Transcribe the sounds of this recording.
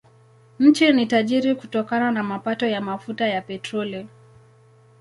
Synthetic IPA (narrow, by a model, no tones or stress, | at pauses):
ɲ̩t͡ʃinitaʄiɾikutɔkananamapatɔjamafutajapɛtɾɔli